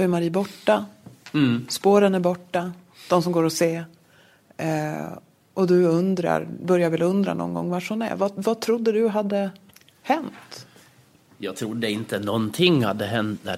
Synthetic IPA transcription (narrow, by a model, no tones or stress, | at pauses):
jmaɾiːbɔʈːa | spoːɾənæɾbɔʈːa | d̪̥ɔmsɔmɡoːɾɔseː | ʔɔd̪ɵɵnd̪ɾa̰ɾbœɾjaɾvɛlɵnd̪ɾa̰nɔ̰nɡɔ̰ŋːvaʂʊnæ̰vavat̪ʰɾʊd̪ːəd̪ɵɦad̪ːə | hɛnt̪ | jɑːɡ̚t̪ʰɾʊd̪ːəɪnt̪ənɔnt̪ʰɪŋhad̪ːəɦɛnt̪̚næ̰